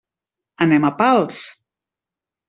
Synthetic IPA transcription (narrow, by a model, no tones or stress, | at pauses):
ənɛmapalˠs